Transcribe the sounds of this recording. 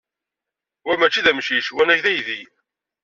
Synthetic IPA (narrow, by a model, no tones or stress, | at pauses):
wæmæt͡ʃːiðæmʃiʃwænæçðæjði